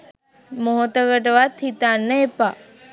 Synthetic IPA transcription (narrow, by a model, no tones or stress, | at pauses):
moɦot̪əɡəʈʋat̪ʰit̪anːəepa